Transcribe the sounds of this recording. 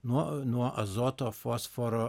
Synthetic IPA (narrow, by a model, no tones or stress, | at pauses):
nuɔnuɔʔɐzot̪ofosfɔɾo